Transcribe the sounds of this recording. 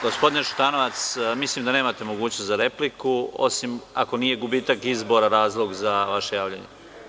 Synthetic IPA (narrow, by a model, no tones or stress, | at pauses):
ɡo̞spo̞d̪ineʃu̥t̪ano̞ʋat̪smislimd̪aneːmat̪e̞mo̞ɡuːt͡ɕnost̪zaɾe̞plikuo̞̰simako̞niːje̞ɡubiːt̪akizbo̞ɾaɾaːzlˠo̞ɡzaʋaʃe̞jaːʋʎaɲḛ